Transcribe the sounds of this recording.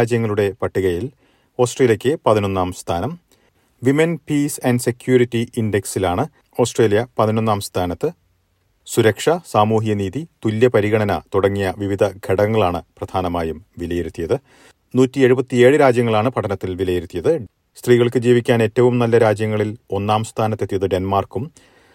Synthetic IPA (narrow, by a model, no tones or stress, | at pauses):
d͡ʑjɐŋːɐɭuɽe̞pɐʈːiɣɐjil | o̞ːsʈreːljɐkʲːɨpɐðino̞nːaːmst̪ʰaːnɐm | ʋimenpiːsɐnɖse̞kʲjuːɾitːiinde̞ksilaːɳɨ | o̞ːsʈreːlijɐpɐðino̞nːaːmst̪ʰaːnɐt̪ːɨ | suɾɐkʂɐsaːmuːɦijɐniːðit̪ulːɐpɐɾiɣɐɳɐnɐt̪uɽɐŋːijɐʋiʋid̪ʱɐɡʱeɽɐŋːɐɭaːɳɨprɐd̪ʱaːnɐmaːjumʋilɐjeɾut̪ːijɐðɨ | nuːtːie̞ɻubɐt̪ːie̞ːɻɨɾaːd͡ʑjɐŋːɐɭaːɳɨpɐʈʰɐnɐt̪ːilʋilɐjeɾut̪ːijɐðɨ | st̪riːɣɐɭkɨd͡ʑiːʋikʲːaːne̞tːɐʋumnɐlːɐɾaːd͡ʑjɐŋːɐɭilo̞nːaːmst̪ʰaːnɐt̪ːet̪ːijɐðɨɖe̞nmaːrkum